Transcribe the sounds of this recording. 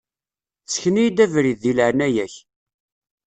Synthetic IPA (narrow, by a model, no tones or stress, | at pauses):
t͡sːçnijd̪ævɾiðːilʕnæjæç